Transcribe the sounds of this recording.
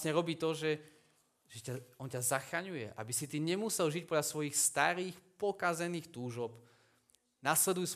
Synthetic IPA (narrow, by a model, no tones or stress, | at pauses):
ɲɛɾɔbiːt̪ɔʒɛ | ʒɛcaɔncazaxɾaɲujɛ̰ʔa̰bisit̪iːɲɛmusɛlʒic̚pɔdʎasʋɔjixst̪aɾiːxpɔkazɛniːxt̪uːʒɔp | naslɛd̪ujs